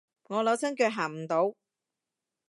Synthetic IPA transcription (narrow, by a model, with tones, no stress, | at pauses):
ŋɔː˨˧lɐ˨˧wsʰɐ˥ŋkœː˧k̚ɦaː˨˩ŋm̩˨˩t̪o˨˥w